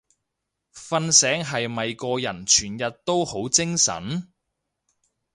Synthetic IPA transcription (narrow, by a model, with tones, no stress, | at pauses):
fɐ˧nsɛː˨˥ŋɦɐ˨jmɐ˨jkɔː˧jɐ˨˩nt͡ʃʰyː˨˩njɐ˨t̚t̪o˥who˨˥wt͡sɪ˥ŋsɐ̰˨˥n